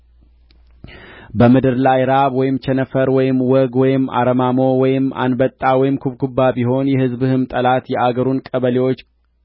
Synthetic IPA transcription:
bəmɨd̪ɨɾlajɾaβwɔjɪmt͡ʃʰɛnəfəɾwɔjɪmwɔɡwɔjɪmːa̰ɾəmamo̞wɔjɪmːa̰nbət̪ʼːawɔjɪmkʰuβkʰubːabiɦo̞njɛhɨzbhɨmt̪ʼəlat̪jɛʔaɡəɾunkʼəβəlewo̞t͡ʃː

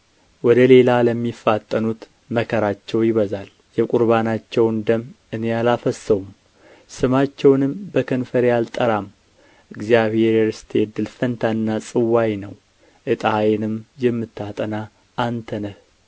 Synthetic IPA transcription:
wɔd̪əle̞laləmːifːat̪ʼːənut̪ | məkʰəɾat͡ʃːɛwjɪβəzal | jɛkʼuɾβanat͡ʃːɛwnd̪əm | ɨnejalafəsːəwum | sɨmat͡ʃːɛwnɨmbəkʰənfəɾjalt̪ʼəɾam | ʔɨɡzijaβhe̞ɾɛɾɨst̪ʰed̪ːɨlfənt̪ʰaɨnːasʼɨwːajnəw | ʔɨt̪ʼajnɨmjɛmːɨt̪ːat̪ʼəna | ʔant̪ʰənəh

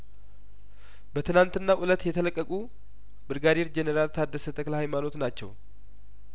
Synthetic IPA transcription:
bət̪ʰɨnant̪ɨnːaʔulət̪jɛt̪ʰələkʼːəkʼu | bɨɾɡad̪eɾd͡ʒenəɾalt̪ʰad̪ːəsət̪ʰʼəkləhajmano̞t̪nat͡ʃːɛ̰w

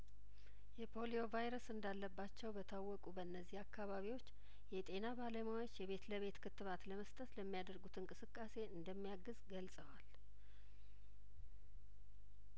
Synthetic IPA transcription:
jɛpʰo̞lio̞vajɾəsɨnd̪alːəbːat͡ʃːɛwbət̪ʰawːɔkʼubəɨnːəzːihakːaβaβiwo̞t͡ʃː | jɛt̪ʼe̞nabalemawo̞t͡ʃːjɛβe̞t̪ləβe̞t̪kʰɨt̪ːɨβat̪ləməst̪ʼət̪ləmːijad̪əɾɡut̪ʰɨnkʼɨsɨkʼːase̞ɨnd̪əmːijaɡɨzɡəlsʼəwal

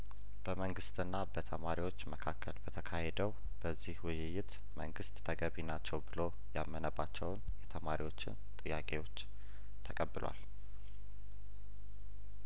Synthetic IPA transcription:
b̥əməŋɡɨst̪ʼɨnːabət̪ʰəmaɾiwo̞t͡ʃːməkʰakːəlbət̪ʰəkʰahed̪əw | b̥əzːihwʊjɪjɪt̪ | mə̰ŋɡɨst̪ʼːʰəɡəβinat͡ʃːɛwbɨlo̞ | jamːənəbat͡ʃːɛwnjɛt̪ʰəmaɾiwo̞t͡ʃːɪ̰nt̪ʼɨjːakʼe̞wo̞t͡ʃː | t̪ʰəkʼəbːɨlwa̰l

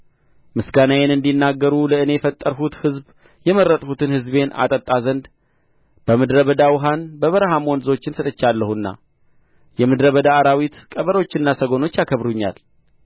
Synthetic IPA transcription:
mɨsɡanajenɨnd̪inːaɡːəɾuləɨne̞jfət̪ʼːəɾɦut̪hɨzb | jɛmərːət̪ʼhut̪ʰɨnhɨzβe̞nʔa̰t̪ʼət̪ʼːazənd̪ | b̥əmɨd̪ɾəβəd̪awɦanbəβəɾɦamɔnzo̞t͡ʃːɪnsɨt̪ʼɨt͡ʃːalːəhunːa̰ | jɛmɨd̪ɾəβəd̪aːɾawit̪kʼəβəɾot͡ʃːɪnːasəɡo̞no̞t͡ʃːjakʰəβɾuɲːa̰l

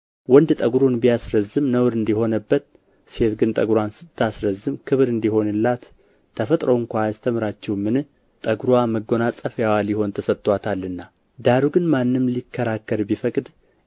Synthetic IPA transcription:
wɔnd̪t̪ʼəɡɾonbijasɾəzɨmnəwɾɨnd̪iho̞nəbːət̪̚ | se̞t̪ɡɨnt̪ʼəɡɾwansɨbt̪ʰasɾəzːɨmkʰɨβɾɨnd̪iho̞nɨlːat̪ʰː | əfət̪ʼɾəwɨŋkʷaːst̪ʰəmɨɾat͡ʃːɛwmɨnɨ | t̪ʼəɡɾwaməɡːo̞nat͡sʼəfjawaljɪho̞nt̪ʰəsət̪ʼːwat̪ʰalːɨnːa | d̪aɾuɡɨnmanːɨmlikʰːəɾakːəɾbifəkʼd̪

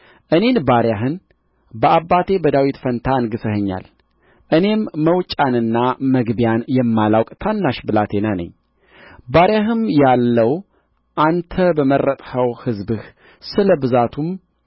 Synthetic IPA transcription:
ʔɨne̞nbaɾjaɦɨn | bəʔabːat̪ʰe̞bəd̪awit̪fənt̪ʰaɨnɡɨsəhəɲːa̰l | ʔɨne̞mːəwt͡ʃʼanɨnːaməɡbijanjɛmːalawkʼt̪ʰanːaʃbɨlat̪ʰe̞nanə̰ɲː | baɾjaɦɨmjalːəw | ʔant̪ʰəbəmərːət̪ʼhəwhɨzbɨh | sɨləbɨzat̪ʰum

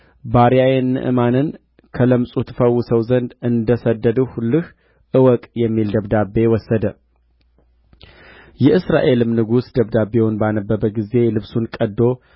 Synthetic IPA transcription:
baɾijajenːɨ̰ʔɨ̰manɨn | kʰələmsʼut̪ʰfəwːʊsəwzənd̪ɨnd̪əsəd̪ːəd̪əhulːɨh | ʔɨwɔkʼjɛmːild̪əβd̪abːe̞wɔsːəd̪ə | jɛʔɨsɾa̰ʔe̞lɨmnɨɡusd̪əβd̪abːe̞wɔnbanəbːəbəɡize̞lɨβsunkʼəd̪ːo̞

